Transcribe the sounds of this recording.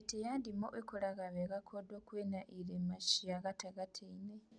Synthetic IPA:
tejaːndimo̰ʔekoɾaɣaβeɣakʰodoːkwenaʔiɾemaʃiaɣataɣatʰeine

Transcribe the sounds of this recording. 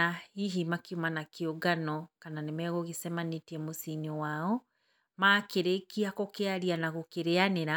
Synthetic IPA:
aiɦimakiumanakioɡanɔkananemɛɣoɣisɛmanetiɛmosiɲuwaɔ | maːkeɾekiakokeaɾianaɣokeɾeaneɾa

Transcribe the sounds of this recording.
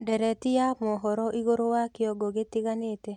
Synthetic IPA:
dɛɾɛtijamɔɦɔɾɔʔiɣoɾowakeɔɡoɡetiɣanete

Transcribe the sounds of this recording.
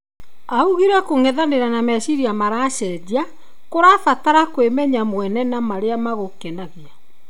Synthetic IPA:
auɣiɾakoŋɛðaneɾanamɛsiɾiamaɾaʃɛdia | koɾafataɾakwemɛɲamwɛnɛnamaɾeamaɣokɛnaɣea

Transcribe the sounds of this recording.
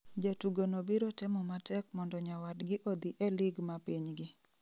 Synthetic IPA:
d͡ʒatuɡonobiɾotɪmɔmatɛkmɔndɔɲawadɡɪʔod̪iʔɛlɪɡmapiɲɡɪ

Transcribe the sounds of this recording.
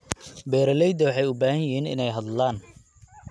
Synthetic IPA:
bɛːɾɐlɛjd̪ɐwɑħɑjʊbaːhɐjɪɦiːnɪ̰nɛjɦɐd̪laːn

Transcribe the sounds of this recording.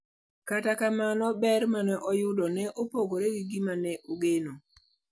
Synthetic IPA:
katakamanɔbɛɾmanɛʔɔjʊdɔnɛʔopoɡoɾeɡiɡimanɛʔoɡeno

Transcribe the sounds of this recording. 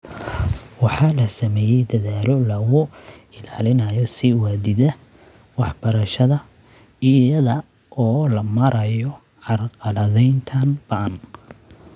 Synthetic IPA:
wɑħɑlɐsɐmɛːjɛjd̪ɐðaːlɔlɐɣʊ | ɪla̰ːlɪnɐjɔsiwad̪ɪðɐ | wɑħbɐɾɐʃɐðɐ | ɪɐðɐ | ʔɔːlɐmɐɾɐjɔ | ʕɑrqɑlɐðɛjnt̪ʰɐnb̥ɐʔɐn

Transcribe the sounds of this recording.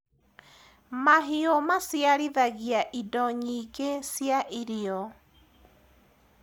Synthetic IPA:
maɦiomasjaɾiðaɣiaʔidɔɲiɣesjaʔiɾiɔ

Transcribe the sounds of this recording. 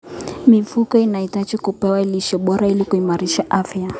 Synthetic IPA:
mivukɔinaitat͡ʃikupɛwaɛliʃɛɓɔɾailikuimaɾiʃaʔafja

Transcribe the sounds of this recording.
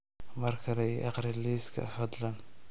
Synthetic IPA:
mɐrkʰɐlɛjʔɑ̰qɾɪliːskʰɐ̰fɐd̪lɐn

